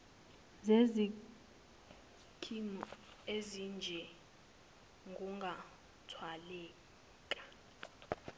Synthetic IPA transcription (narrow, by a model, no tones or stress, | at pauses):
zezi | kʰimezind͡ʒʱɛ | ŋɡʱuŋɡʱa | tʰwalɛː | kʼḁ